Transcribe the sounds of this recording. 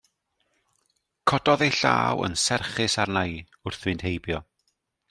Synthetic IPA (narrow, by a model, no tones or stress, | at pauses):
kʰɔdɔðejɬa̰ːwə̰nsɛrχɪsarnaj | ʊrθvɨnd̥hejbjɔ